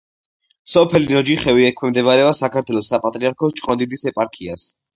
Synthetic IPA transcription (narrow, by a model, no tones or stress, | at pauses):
sɔpʰɛlinɔd͡ʒiχɛwiɛkʰwɛmd̪ɛβaɾɛasakʰaɾt̪ʰwɛlˠɔsapʼat̪ʼɾiaɾkʰɔt͡ʃʰʼqʼɔnd̪id̪isɛpʼaɾkʰias